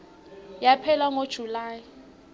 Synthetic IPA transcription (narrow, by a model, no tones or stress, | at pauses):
japʰɛlaŋod̥ʒ̥ʱulaːji